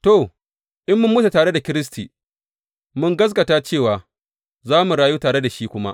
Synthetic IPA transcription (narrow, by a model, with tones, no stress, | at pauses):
to˨ | ʔɪ˦mːʊ˦mːʊ˦ta˨taː˨ɽe˦da˨kʲɪ˦ɾɪ˦s̬tiː˨ | mʊ˦ŋɡɐ˦s̬ɡɐ˨taː˦t͡ʃeː˦˨waː˨ | zaː˦mu˨ɽaː˦juː˦taː˨ɽe˦da˨ʃiː˦kʷʊ˦ma̰˦ʔ